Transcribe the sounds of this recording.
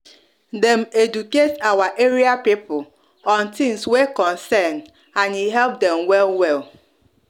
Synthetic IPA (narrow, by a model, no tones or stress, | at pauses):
dɛmed͡ʒuketawaʔeɾiapipʊl | ɔ̃ntɪ̃ŋswekɔ̃nsɛnd | ãniɦɛlp̚dɛmwɛlwɛl